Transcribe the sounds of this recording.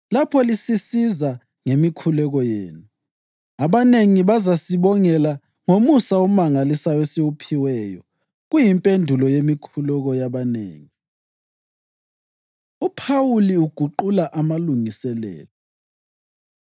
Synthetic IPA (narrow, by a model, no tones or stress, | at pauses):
lapʰɔlisisiza | ŋemikʰulɛɣɔjḛːnu | aβaneŋiβazasiβɔŋɛla | ŋomusaɔmaŋalisajɔesiwupʰiwɛːjɔ̰ | ɣujimpʼendʱulɔjemikʰulɛɣɔjaβanḛːŋi | upʰawuliuɡ̥ʱuǃulaʔamaluŋisɛlɛ̰ːlɔ